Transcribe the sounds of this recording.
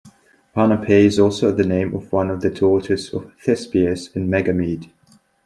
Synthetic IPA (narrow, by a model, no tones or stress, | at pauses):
pʰɑnəpʰeɪɨzɔˑlˠsoʊðɨnẽɪ̃mʔəvwʌ̃nəvðɨtʰɔːˑt͡ʃəzə̰v̥θɛspiəsɪ̃nmɛɡəmiːd̥